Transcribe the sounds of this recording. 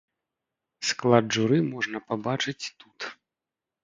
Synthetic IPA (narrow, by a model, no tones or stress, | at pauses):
sklˠad̪ʐuɾɨmɔʐnɐpabat͡ʂɨt͡sʲt̪ut̪